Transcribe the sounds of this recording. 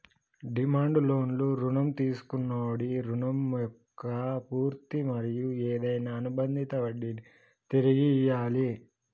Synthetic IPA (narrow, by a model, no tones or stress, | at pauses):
ɖimaːɳɖlo̞ːnluɾunɐmt̪iːsu̥kunːaːɐɽiɾunɐmjɔkːɐpuːɾt̪imɐɾijueːd̪ɐjnaːnubɐnd̪ʱit̪ɐʋɐɽi | t̪iɾiɡijaːli